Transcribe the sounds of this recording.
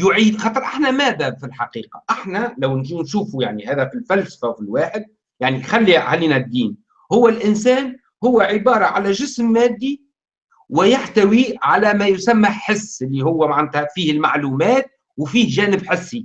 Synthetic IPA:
jʊʕiːd̪xɑːt̪ˤɑɾˤʔaħnæmæðæbfilħɑqiːqɑ̰ʔɪħnælawnʃuːnʃuːfujaʕnihæːðæfilfælsḁfæwfilwaːħɪd̪̚ | jaʕnixalːia̰hliːnæd̪ːiːn | hʊwːælʔɪnsæːn | hʊwːæʕɪbɑːɾˤɑʕalæʒɪsmːæːd̪ːi | wɪjaħt̪æwiʕalæmæjʊsamːæħɪsːɪlːihʊwːæmaʕnæt̪hæfiːhɪlmaʕluːmæːt̪̚ | wfiːhʒæːnɪbħɪsːi

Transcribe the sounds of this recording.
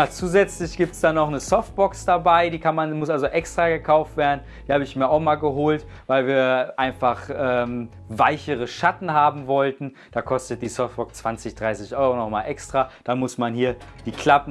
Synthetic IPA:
at͡suːzɛt͡slɪçɡ̥iːp̚tsd̥anɔχnəsɔft̚b̥ɔksd̥abaɪdiːkʰanmanmʊsalzoʔɛkstʁ̥aːɡəkʰaʊftv̥eːɐdn̩ | d̥iːhaːbəɪçmiːɐaʊxmaːlɡəɦoːlt | vaɪlviːɐʔaɪnfaχʔɛːm | vaɪçəʁəʃatn̩haːbm̩vɔltn̩ | d̥aːkʰɔstət̚d̥iːsɔftb̥ɔkst͡sv̥ant͡sɪçd̥ʁaɪsɪçʔɔʏʁonɔχmaːlʔɛkstʁ̥aːd̥amʊsmanhiːɐd̥iːkʰl̥apn̩

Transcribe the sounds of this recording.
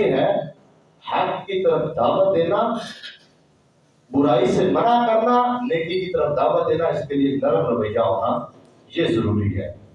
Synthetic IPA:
ɦɛː | hɛkkiːt̪əɾəfd̪aːʋət̪̚d̪eːnaː | bʊɾaːiːsemənaːkəɾnaːleːkɪnkiːt̪əɾəfd̪aːʋət̪̚d̪eːnaːɪskeːlɪeːləɾənɾəʋəɪjaːɦo̰ːnaː | jeːzəɾuːɾḭːɦɛ̰ː

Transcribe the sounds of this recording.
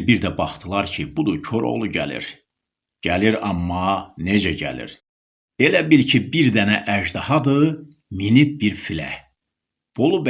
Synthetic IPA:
biɾd̪æbɑχt̪ʰɯlˠɑɾcʰibud̪ucʰo̞ɾʔo̰lˠuɟæ̰lḭɾ | ɟ̥æliɾɑmːɑne̞d͡ʒæɟæ̰lḭɾ | elæbilcʰibiɾd̪ænæʔæʒd̪ɑhɑd̪ɯ | minibiɾfilæ̰ | b̥olˠub

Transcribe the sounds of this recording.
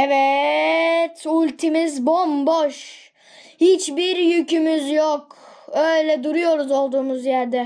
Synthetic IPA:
evɛ | t̪ulʲt̪ʰimizbomboʃ | hit͡ʃbiɾjycymyzjok | øjlʲɛd̪uɾujo̞ɾuzo̞lˠd̪uːmuzjæɾd̪ɛ

